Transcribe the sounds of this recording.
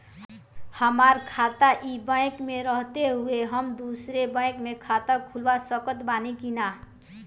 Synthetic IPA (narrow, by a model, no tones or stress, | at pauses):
həmaɾkʰat̪aʔibə̃jkmeɾʌɦt̪eɦueɦʌmd̪usɾebə̃j̃kmekʰat̪əkʰulʋasʌkət̪banikina